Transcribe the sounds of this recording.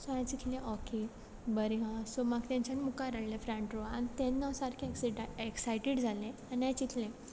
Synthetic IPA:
sɔãt͡ɕit̪ʰlẽʔɔke | bəɾiɦãsomaɡt̪ãɲt͡ɕanmukaɾəɽlefɾãɳʈɾoanit̪ɛ̃nːasaɾkʰekeksajʈeɽd͡zʱalẽaniãt͡ɕit̪ʰlẽ

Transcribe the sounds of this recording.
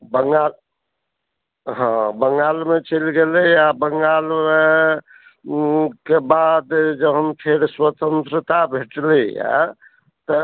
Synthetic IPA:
bəŋɡal | ɦãbəŋɡalmet͡ʃəlɡelɛabəŋɡalme | kebad̪d͡ʒəbɦəmpʰeɾswət̪ənt̪ɾət̪abʱeʈleja̰ | t̪ə

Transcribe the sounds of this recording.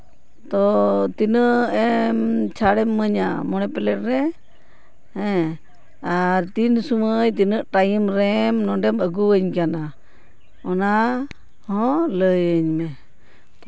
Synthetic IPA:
t̪ɔt̪inəʔɛmt͡ʃʰaɽɛmːəɲamɔɽɛpɛlɛʈ̚ɾɛ | hɛ | aɾt̪insuməjt̪inəʔʈajimɾɛmnɔɳɖɛməɡuəɲkana | ɔna | hɔ̃ləjəɲmɛ

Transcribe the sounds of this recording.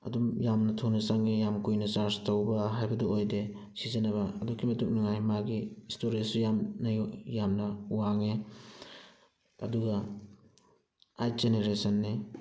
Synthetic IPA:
ɐ̰dumjamnɐtʰonɐsaŋejamkujnɐsaɾstowbɐɦajbɐduojde | sizɐnɐbɐɐdukʰːimɐtuk̚naŋajmaɡiːstoɾisujamnɐjjamnɐuwaŋe | ɐ̰duɡɐ | aj̚zeneɾesɐnːi

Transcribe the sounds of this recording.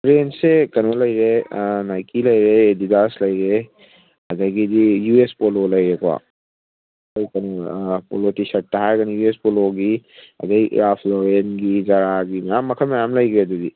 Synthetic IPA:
pɾensekɐnolɐjɾenajkilɐjɾeːdidaslɐjɾe | ɐdajɡidijuespololɐjɾekwa̰ | ojkɐnopolotisɐaɦajɡɐnijuespoloɡiɐ̰dɐj̰ɾapʰloɾenɡizaɾaɡimɐjamːɐkʰɐmɐjamlɐjɡɾeɐdudi

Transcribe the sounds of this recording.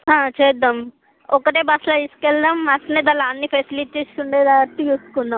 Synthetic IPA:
ɦãːt͡ʃɛd̪ɐm | ɔkɐʈeːbɐslaiskɛld̪ɐmɐsɐneːd̪ɐlaːnːipʰesiliʈːisuɳɖeːd̪aːʈ̪ːijuːskunːa

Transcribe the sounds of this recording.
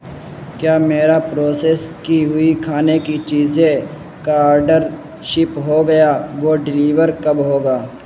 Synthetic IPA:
kjaːmeːɾapɾoːseːskiɦʊikʰaːnekit͡ʃiːzẽ | kaːɾɖəɾ | ʃɪpɦoɡɐjaʋoːɖɪliːʋəɾkɐbɦoːɡaː

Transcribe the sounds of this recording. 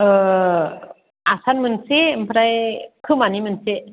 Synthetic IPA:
ə | ʔasanmɯnsimpʰɾajkʰɯmanimɯnseʔ

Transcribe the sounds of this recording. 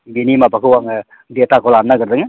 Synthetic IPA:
binimapɐkuwaŋ | deːt̪akolaːnːakəɾd̪ɯŋ

